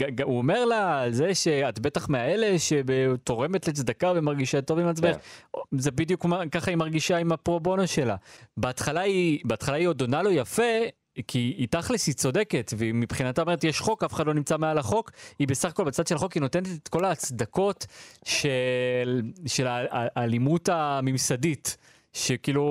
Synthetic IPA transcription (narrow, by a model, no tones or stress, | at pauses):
aauome̞ʁlaːlze̞ʃeatbe̞taχmeaele̞ʃebeto̞ʁe̞metlet͡sd̪akavemaʁɡiʃato̞vimat͡sbeezebidjukmakaχaimaʁɡiʃaimapʁo̞bo̞noʃe̞labeat̪χalaibeatχalaio̞do̞nalo̞jafe̞ | kiːtaχlisit͡so̞de̞ke̞tvemipχinat̪aome̞ʁet̪jeʃχo̞kafe̥χadlo̞nimt͡samealaχo̞kibesaχako̞lbat͡sad̪ʃeχo̞kino̞te̞netetko̞laːt͡sd̪ako̞tʃelʃe̞laːlimutamimsadit | ʃekiːlu